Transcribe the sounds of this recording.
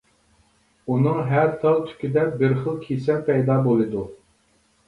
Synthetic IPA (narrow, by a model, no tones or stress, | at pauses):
unɨŋɦæɾt̪ʰɑlˠt̪ʰy̥kʲid̪ɛbɪɾχəlˠkʲʰesɛnpʰɛjd̪ɑːbolˠɨd̪u